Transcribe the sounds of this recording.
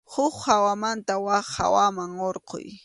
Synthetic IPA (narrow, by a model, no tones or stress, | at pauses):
hʊχhawamant̪awaχha̰wamaŋoɾqo̰j